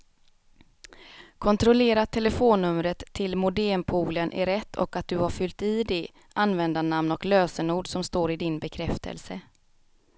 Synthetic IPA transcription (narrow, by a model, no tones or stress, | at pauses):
kʰɔnt̪ɾɔleːɾat̪ʰːɛləfoːnːɵmɾət̪ʰːɪlmʊd̪ɛːmpʰuːlənʔæ̰ɾɛt̪ʰːɔ̰kat̪̚d̪ɵhaɾfʏlt̪iːd̪ɛ | ʔanvɛnd̪anamnɔkløːsənuːɖsɔmst̪oːɾɪd̪ɪnbɛkʰɾɛft̪ʰə̰lsə